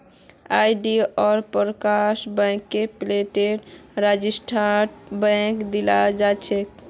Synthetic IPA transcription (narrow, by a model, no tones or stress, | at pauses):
ajɖiɔɾpəɾəkaʃbə̃jkːepleʈeɾɾad͡ʒisʈʰaʈbə̃kd̪ilad͡ʒat͡ʃʰɛ